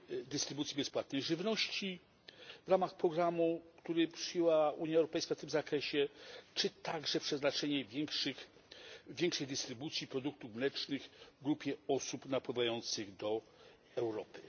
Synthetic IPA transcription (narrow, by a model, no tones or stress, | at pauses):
d̪ɘst̪ɾɘbut̪sʲibɛspwat̪nɛjʐɘvnɔɕt͡ɕi | vɾamaxpɾɔɡɾamukt̪uɾɘpʂɘjɛwauɲjaɛwɾɔpɛjskaft̪ɘmzakɾɛɕɛt͡ʂɘt̪aɡʐɛpʂɛznat͡ʂɛɲɛvʲjɛŋkʂɘxʲː | jɛŋkʂɛjd̪ɘst̪ɾɘbut̪sʲjipɾɔd̪uk̚t̪uvmlɛt͡ʂnɘɣvɡɾupʲjɛɔsupnapwɘvajɔnt̪sɘɣd̪ɔ | ɛwɾɔpɘ̥